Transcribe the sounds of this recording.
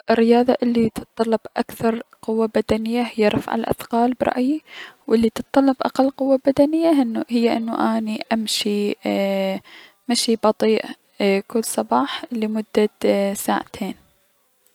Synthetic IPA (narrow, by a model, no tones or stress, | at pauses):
ʔɪrːɪjɑːðˤɑʔɪlːit̪ɨt̪ˤːɑlːɑbʔakθɑɾˤqʊwːabad̪anɪjːahɪjːaɾˤɑ̰fʕa̰lʔa̰θqɑːlbɾˤɑ̰ʔjiwʔɪlːit̪ɨt̪ˤːɑlːɑbʔa̰qalːqʊwːabad̪anɪjːaɪnːuɦɪjːaʔɪnːuʔaːniʔamʃi | maʃibɑt̪ˤiːʔ | kʊlːsˤɑbɑːħləmʊd̪ːasaːʕt̪ʰeːn